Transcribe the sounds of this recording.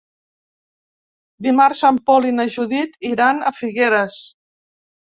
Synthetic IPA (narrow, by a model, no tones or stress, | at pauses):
bimaɾsampɔlinəʒuðit̪iɾanəfiɣeɾəs